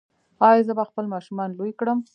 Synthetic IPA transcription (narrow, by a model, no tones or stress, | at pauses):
ɑjzəbaxpəlmɑʃumɑnlojkɽəm